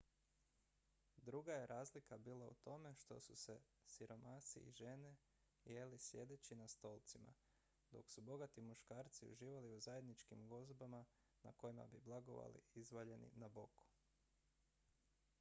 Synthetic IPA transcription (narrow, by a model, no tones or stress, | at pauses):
d̪ɾuɡaje̞ɾʔaːzlikabiːlˠaṵt̪o̞me̞ʃt̪o̞̰suse̞ | siɾo̞masḭʔḭʒe̞ne | jelisje̞d̪e̞t͡ɕinast̪o̞ːlˠt̪sima̰ | d̪o̞̰ksubo̞ɡat̪imuʃkaːɾt̪siṵʒiːʋaliuzajed̪nit͡ʃkimɡo̞zbama | na̰ko̞jima̰biblˠaɡo̞̰ʋa̰lḭizʋaʎe̞nḭnabo̞kʰu̥